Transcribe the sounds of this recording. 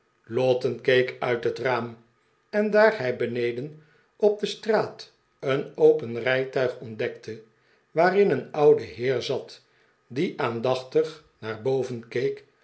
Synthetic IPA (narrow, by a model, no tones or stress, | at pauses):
lɔtənkejkœɥtɦətraːm | ɛndaːɹɦɛjbənejdən | ɔb̚d̪əstraːt | ənowpənrɛjtœɥχɔndɛktʰə | ʋaːrɪnənɑwdəɦɪːɹzɑt | diʔaːndɑχtəχ | naːɹbowvənkejk